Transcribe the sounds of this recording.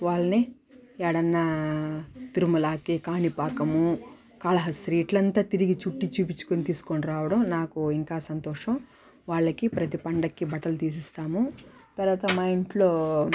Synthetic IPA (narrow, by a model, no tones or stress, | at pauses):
ʋaːɭːɐni | ɛɽɐnːɐ | t̪iɾumulaːkikaːnipaːkɐmu | kaːɭɐɦɐsɾiːʈlɐnt̪aːt̪iɾiɡit͡ʃuʈːit͡ʃuːp̬it͡ʃːu̥konit̪iːsu̥koniɾaːʋɐɽɐmnaːkuiŋkaːsɐnt̪ɔːʂɐm | ʋaːɭːɐkipɾɐt̪ipɐɳɖɐkːibɐʈːɐlt̪iːs̬ist̪aːmu | t̪ɐɾʋaːt̪ɐmɐjiɳʈloː